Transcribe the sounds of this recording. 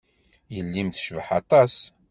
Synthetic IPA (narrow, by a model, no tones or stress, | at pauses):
jəlːimθʃvəħɑt̪ˤɑs